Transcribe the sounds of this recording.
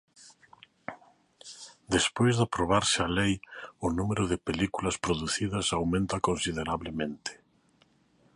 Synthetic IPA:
d̪espojzðapɾoβ̞aɾsɪalejʊnumeɾʊðɪpelikulɐspɾoðuθiðɐsawmẽnt̪ɐkõnsiðeɾaβlemẽnt̪ɪ̥

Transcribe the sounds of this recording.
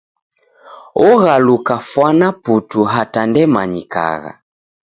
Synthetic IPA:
ɔɣalukafwanaputuɦatandɛmaɲika̰ɣa̰

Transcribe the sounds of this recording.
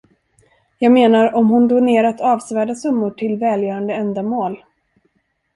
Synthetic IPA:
jɑːɡmeːnaɾɔmhʊnd̪oːneːɾat̪ɑːvsvæːɖasɵmːʊʈʰɪlvɛːljœːɾand̪əɛnd̪amoːl

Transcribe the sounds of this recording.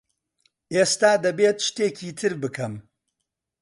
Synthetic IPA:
ʔeːst̪aːd̪ɐbet̪ʃt̪eːcʰiːt̪ʰɨɾbɨkʰɐm

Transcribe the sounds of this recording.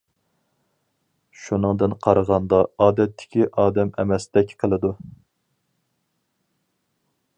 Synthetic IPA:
ʃunɨŋd̪ɨnqʰɑɾəʁɑnd̪ɑɑːd̪ɛt̪ʰːɪ̥kʲiʔɑːd̪ɛmɛ̰mɛsd̪ɛkʲqʰəlˠɨd̪u

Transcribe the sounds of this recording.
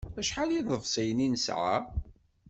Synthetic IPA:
æʃħaliðˤəvsæjəninəsʕa̰

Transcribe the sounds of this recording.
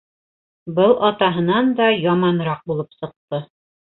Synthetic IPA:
bɤlˠʔɑt̪ɑɦɤ̆nɑnd̪ɑjɑmɑnɾɑq̚bulˠɤpsɤ̆q̚t̪ɤ

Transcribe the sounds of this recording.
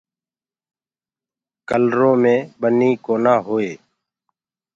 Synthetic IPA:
kəlɾõːmẽːɓəniːkoːnaːɦoːeː

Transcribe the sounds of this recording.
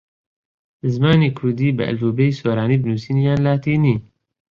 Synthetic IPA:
ɨzmaːniːkʰʊɾd̪iːbɨʔɛ̰luːbeiːsoːɾaːniːbɨnuːsiːnijaːnlaːt̪iːniː

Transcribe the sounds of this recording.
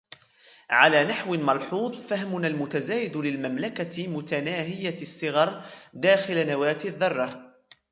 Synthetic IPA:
ʕalaːnaħwɪmɑlħuːðˤfahmʊnalmʊt̪azaːjɪd̪lɪlmamlakamʊt̪anaːɦɪjasˤːɨɣɑɾˤd̪aːxɪlanawaːt̪ɪðːɑrˤːɑ

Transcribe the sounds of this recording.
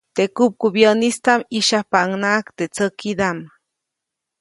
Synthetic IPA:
t̪ekup̚kubjənist̪amiʃahpaŋnaʔkt̪et͡səkid̪am

